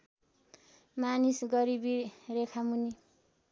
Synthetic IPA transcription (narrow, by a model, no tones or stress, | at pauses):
manisɡʌɾibiɾekʰamuni